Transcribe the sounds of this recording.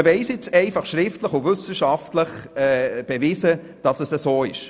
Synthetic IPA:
vɛɪsjɪt͡sɛɪfɑχʃɾɪftləχʊvʏsəʃɑftləχɛːb̥ɛviːsə | d̥ɑsəsəsoːɪʃ

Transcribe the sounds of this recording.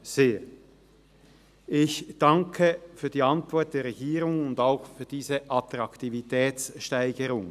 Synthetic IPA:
z̥eː | ʔɪçd̥ɑŋkʰəfyːɐdiːɑntv̥ɔɐt̚d̥eːɐʁɛɡiːʁʊŋʊndaʊxfyːɐd̥iːzəʔɑtʁɑktivitʰɛːt͡sʃtaɪɡəʁʊŋ

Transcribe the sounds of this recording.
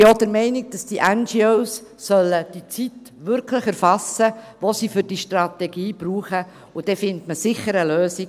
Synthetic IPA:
jodəɾmɛɪniɡ̚d̥ɑsd̥iʔɛnd͡ʒioʊsːœlːəd̥it͡sit | ʋʏɾkʰləχɛɾfɑsə | ʋosiːfʏɾd̥iʃtrɑt̪ɛɡiːb̥ɾuːχə | ʊd̥ɛfɪntməsɪχəɾəløːsi

